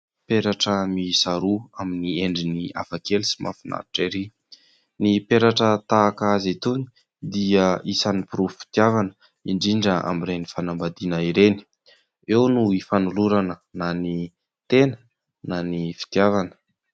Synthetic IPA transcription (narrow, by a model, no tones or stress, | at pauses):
peɾaʈ͡ʂəmisaɾuaminieɳɖ͡ʐinia̰fakelisi̥ma̰fina̰ɾiʈ͡ʂeɾi | nipeɾaʈ͡ʂət̪aːkazet̪uni̥ | d̪iəisanipuɾufi̥t̪iavanə̥ | iɳɖ͡ʐiɳɖ͡ʐəa̰miɾenifanambad̪inəiɾeni̥ | ewnuifanuluɾanənani | t̪enə̥ | nanifi̥t̪iavanə̥